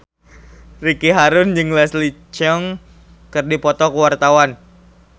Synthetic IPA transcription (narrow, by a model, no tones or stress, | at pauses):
rikiɦaɾʊnd͡ʒɨŋlɛslit͡ʃɔŋ | kɨrdipɔt̪ɔkəwart̪awan